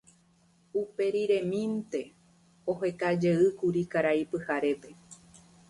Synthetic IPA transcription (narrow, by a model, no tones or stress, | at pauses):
upe̞ɾiɾẽ̞mĩnt̪e̞ | o̞ɦe̞kad͡ʒeɨkuɾikaɾajpɨhaɾe̞pe̞